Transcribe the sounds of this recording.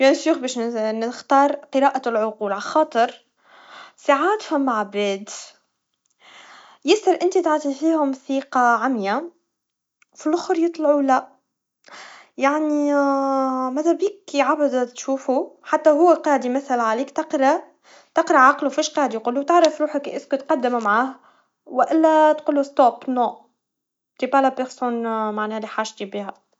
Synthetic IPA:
jænsuːxbɛːʃnxt̪ɑːɾˤqɨɾɑːʔalʕʊquːlʕaxɑːt̪ˤɨɾ | saʕaːd̪fæmːaʕabɛːd̪ | jɪsɑɾʔɪnt̪it̪aʕt̪ˤifiːhʊmθiːqɑʕamja | filʔʊxɾjɨt̪ˤlɑʕulæ | jaʕni | mæðæbiːkːiʕabæd̪t̪ʃuːfuħat̪ːæɦʊwːæqɑːd̪imæθælʕaliːkt̪ɑqɾˤɑ | t̪ɑqɾɑʕɑqlufiːʃqɑːd̪ijqulːut̪ɪʕɾɑfɾuːħəkʔɪskut̪qɑd̪ːɪmumʕaːh | wɪʔɪlːæt̪qʊlːust̪oːpnoːʔ | t̪ibalapɪɾsuːnmaʕnɛːliħaːʒt̪ibiːɦæ

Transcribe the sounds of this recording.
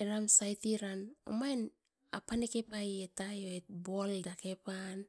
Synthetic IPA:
eɾamsajtiɾano̰majn | apanekepajetajoet̚boldakepan

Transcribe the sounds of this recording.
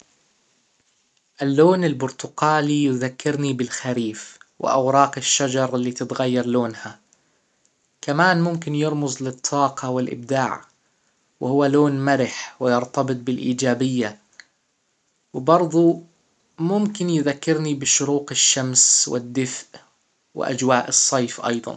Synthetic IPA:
ʔalːoːnɪlbʊɾt̪ʊqaːlijʊðakːɪɾnibɪlxaɾiːfwɪ̰ʔa̰wɾˤɑːqɪʃːad͡ʒɑɾˤɪlːiːt̪ɪt̪ɣajːɑɾˤloːnha | kamaːnmʊmkɪnjɪɾˤmʊzˤlɪt̪ˤʰːɑːqʰɑwɪlʔɪ̰b̚d̪aːʕ | wɪhʊwːaloːnmaɾɪħwɪjɑɾt̪ɑbɨt̪̚ˤbɪlʔiːd͡ʒaːbɪjːa | wɪbɑɾˤðˤu | mʊmkɪnjðakːɪɾnibɪʃʊɾuːqɪʃːamswɪ̰d̪ːɪfʔ | wɪ̰ʔa̰d͡ʒwaːʔɨsˤːɑjfʔɑ̰jðˤɑ̰n

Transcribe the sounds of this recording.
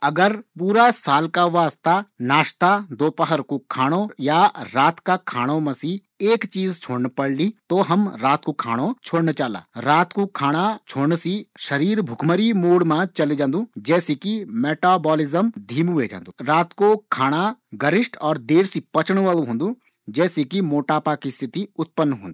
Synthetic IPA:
ɐɡəɾpuːɾasaːlkaʋaːst̪anaːʃt̪ad̪oːpəɦəɾkokʰaːɽ̃ojaɾaːt̪kakʰaːɽ̃õmãsi | eːkt͡ʃiːzt͡ʃʰoːɽnpɐɽlit̪oɦɐmɾaːt̪̚kokʰa̰ːɽ̃ot͡ʃʰoːɽnt͡ʃaːla̰ːɾaːt̪kokʰaːɽ̃at͡ʃʰoːɽnsiʃɐɾiːɾbʱʊkʰməɾimuːɽmãt͡ʃɐled͡ʒãːnd̪ũːd͡ʒɛːsekimeːʈaːbɔːlɪzəmd̪ʱiːmɦʊed͡ʒã̰ːnd̪uɾaːt̪kokʰaːɽ̃aɡəɾɪʃʈɔːɾd̪eːɾsipɐt͡ʃɳ̃ʋaːlũɦõːnd̪ũ | d͡ʒɛːsekimoːʈaːpakist̪ʰɪt̪iʊt̪̚pənːɦõ̰ːnd̪uː

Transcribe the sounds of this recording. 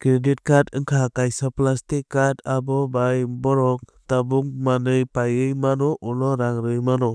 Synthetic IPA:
kɾedit̚katɯŋkʰakajsɔplastikːatabɔbajbɔɾɔk̚tabuŋmanɯjpajɯjmanɔʔulɔɾaŋɾɯjmanɔ

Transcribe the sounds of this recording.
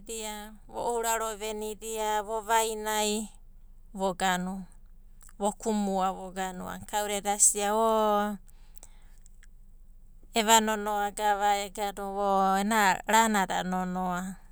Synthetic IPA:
ɾia | βo̰ʔouɾaɾoβeniɾiaβoβajnaj | βoɡanu | βokumuaβoɡanṵa̰kawɾedasiao | eβanonoaɡaβaeɡanuβoenaɾanaɾa̰nonoa

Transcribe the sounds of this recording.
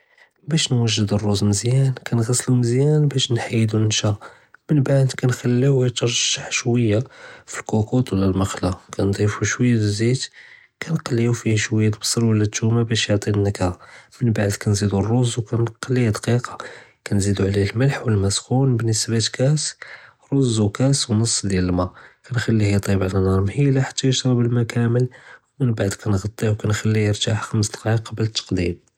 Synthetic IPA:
bæʃnwəʒːəd̪ərˤːuzməzjænkænɣæsːluməzjænbæʃnħajːd̪uənʃæ | mənbaʕd̪kænxælːiwt̪ɑɾˤʒ̥aħʃwəjːafilkukut̪wlːælmɑxlakʰænd̪ˤifuʃwəjːæd̪zid̪ | kʰænqɑlːijufihʃwəjːæt̪bsˤəɾwəlːæt̪ːumabæʃjoʕt̪ˤinːəkæmənbaʕd̪kænzid̪urːozwkænqɑlːid̪qiqɑ̥kænzid̪uʕliəlməlħwəlmæsxunbənːəsbat̪kæs | ɾˤozːukæswnəsˤːd̪jæləlmækænxælːihit̪ˤibʕlænɑɾˤmhilæħḁt̪ːæjəʃɾˤɑbəlmækæməlwmənbaʕd̪kʰænɣɑt̪ˤːiwkænxælːijəɾt̪aħxəməsd̪qiqːɑbələt̪ːɑ̥qd̪ḭm

